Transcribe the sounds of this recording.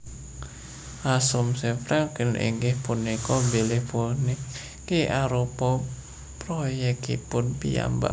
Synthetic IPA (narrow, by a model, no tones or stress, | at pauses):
ʔasʊmsefɾaŋkənʔḭŋɡɪhpunːikɔmbilɪhponɪ | keʔaɾopɔ | pɾɔjɛkḭpʊnpija̰mba̰